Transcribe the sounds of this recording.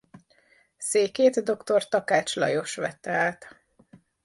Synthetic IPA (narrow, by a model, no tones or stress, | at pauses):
seːkeːt̪d̪o̞kt̪o̞rt̪ɒkaːt͡ʃlɒ̰jo̞ʃʋɛ̰t̪ːɛaːt̪